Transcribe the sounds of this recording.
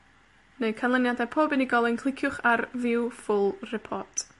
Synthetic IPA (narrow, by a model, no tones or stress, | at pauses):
neɨkʰanlˠənjadɛpʰoːbɨniɡɔlˠɪnkʰlˠɪkʰjʊχarvɪwfʊlˠrɪpʰɔtʰ